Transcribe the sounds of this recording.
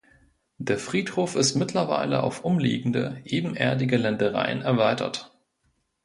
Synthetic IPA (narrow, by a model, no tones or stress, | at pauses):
d̥eːɐfʁ̥iːthoːfɪstmɪtʰlɐva̰ɪlə̰ʔa̰ʊfʔʊmlḭːɡŋ̩də̰ʔeːbm̩ʔeːɐdɪɡəlɛndəʁ̞a̰ɪənɛɐvaɪtʰɐ̰t